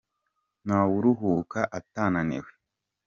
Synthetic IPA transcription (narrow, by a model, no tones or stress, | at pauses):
nawuɾuɦuːkaʔataːnanḛwe